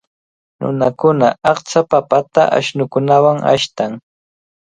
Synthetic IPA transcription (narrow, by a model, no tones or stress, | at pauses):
nʊ̰nakʊnaɑχt͡ʃapapat̪aʔa̰ʃnʊkʊnawaŋa̰ʃt̪aŋ